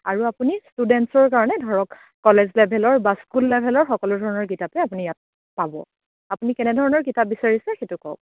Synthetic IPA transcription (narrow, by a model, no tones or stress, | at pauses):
aɹuapunistudɛntsɔɹkaɹɔnɛdʱɔɹɔkː | ɔlezlɛbʱɛlɔɹbaskulːɛbʱɛlɔɹxɔkɔlɔdʱɔɹɔnɔɹkitapɛapunijat̚ | pabɔ̰ | apunikɛnɛdʱɔɹɔnɔɹkitap̚bisaɹisɛxetukɔ̰k̚